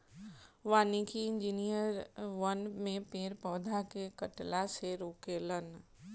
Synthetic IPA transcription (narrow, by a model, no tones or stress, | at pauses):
ʋaːnikiɪ̃nd͡ʒiːnijəɾʋənmẽpeːɾpɔːd̪ʱakekəʈlaseɾoːkeːlən